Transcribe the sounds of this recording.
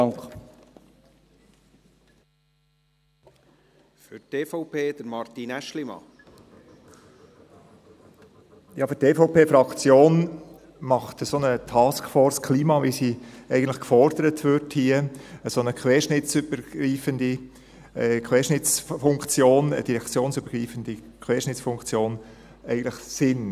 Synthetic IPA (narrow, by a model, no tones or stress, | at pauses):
fʏteːfɔʊpʰeːd̥̪əɾmɑɾt̪inæʃlimɑ̰ | jɑːfʏteːfoʊpeːfɾɑkt͡sjoːn | mɑχt̪əsonət̪ʰɑːskfɔːɾskʰliːmɑvisiɛɪɡən̩tlɪχkfɔɾd̥̪əɾətʰʋʏɾthiəəsonəkχʋɛːʃnɪt͡syb̥əɾɡ̥ɾiːfənd̪i | kʰʋɛːʃnɪt͡sfʊŋkt͡sjoːnə̰d̥iɾɛkt͡sjoːnsyb̥əɾɡ̥riːfənd̥̪i | kʰʋɛːʃnɪt͡sfʊŋkt͡sjoːn | ɛɪɡən̩tlɪχsɪn